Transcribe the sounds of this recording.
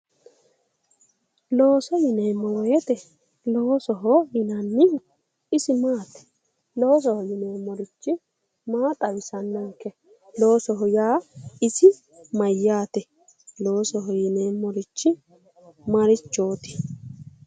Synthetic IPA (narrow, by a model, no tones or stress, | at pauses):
lo̞ːsɔjɪneːmːɔwɔjɛt̪ɛ | lo̞ːsɔɦɔjɪnɐnːɪ | ɪsɪmaːt̪ɛ̥ | loːs̬ɔhɔjɪneːmːɔɾɪt͡ʃːɪ | maːt̪ʼɐwɪsɐnːɐŋkːɛ | lo̞ːsɔɦɔjaːɪsɪ | mɐjːaːt̪ɛ | lo̞ːsɔɦɔjɪneːmːɔɾɪt͡ʃːɪ | mɐɾɪt͡ʃːo̞ːt̪ɪ̥